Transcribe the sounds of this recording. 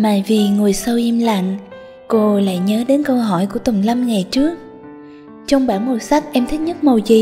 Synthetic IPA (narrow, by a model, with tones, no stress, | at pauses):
ma̰ː˨˩vi˨˩ŋu˨˩əjsə˧wʔi˧mla̰˧˨ŋ | ko˧la̰ː˧˨jɲəː˨˦ɗe˨˦nkə˧wɦɔ˧˩jku˧˩ət̪ə˨˩ŋ͡mla˧mŋa˨˩jt͡ɕɨ˦˥ək̚ | t͡ɕɔ˧wŋ͡mɓaː˧˩nmo˨˩sa˦˥k̚ʔɛ˧mt̪ʰi˦˥ɲə˦˥t̚mo˨˩zi˨˩